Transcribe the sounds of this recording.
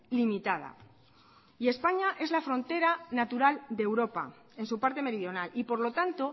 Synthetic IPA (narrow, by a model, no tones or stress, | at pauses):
limit̪að̞a̰ | ie̞spaɲaʔe̞zlafɾõ̞nt̪e̞ɾanat̪uɾald̪e̞wɾo̞pa̰ | e̞nsupaɾt̪e̞me̞ɾiðjo̞nalipo̞ɾlo̞t̪ant̪o̞